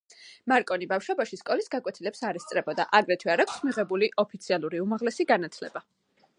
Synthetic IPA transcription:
maɾkʼɔnibafʃwɔbaʃiskʼɔlisɡakʼwɛt̪ʰilɛpsaɾɛst̪sʼɾɛbɔd̪a̰ʔaɡɾɛt̪ʰwiaɾakʰʷsmiʁɛbuliʔɔpʰit̪sʰialˠuɾiumaʁlɛsiɡanat̪ʰlɛba

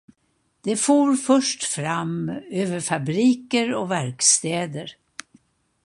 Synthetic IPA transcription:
d̪̥ɛfoːɾfœʂʈfɾamøːvəɾfabɾiːkəɾɔvæɾkst̪eːd̪əɾ

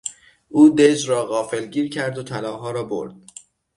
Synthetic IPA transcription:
ʔuːd̪ed͡ʒɾɒːɣɒːfe̞lɟiːɾcʰæɾd̪ot̪ʰælɒːɦɒːɾɒːbo̞̰ɾd̪̥̚

